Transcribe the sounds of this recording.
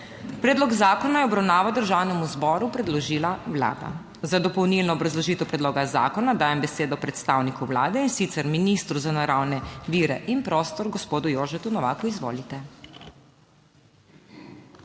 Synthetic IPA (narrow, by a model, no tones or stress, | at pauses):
pɾɛːd̪lɔɡzaːkɔnajɛɔbɾawnaːʋad̪əɾʒaːwnɛmuzbɔːɾupɾɛd̪lɔʒiːlawla̰ːd̪a̰ | zad̪ɔpɔwnilnɔːbɾazlɔʒiːt̪ɛwpɾɛd̪loːɡaza̰ːkɔnad̪aːjɛmbɛseːd̪ɔpɾɛt̪st̪aːwnikuwlaːd̪ɛinsit̪sɛɾminist̪ɾuzanaɾawnɛʋiːɾɛʔinpɾɔːst̪ɔɾɡɔspoːd̪ujoːʒɛt̪unɔʋa̰ːkɔizʋo̰ːlit̪ɛ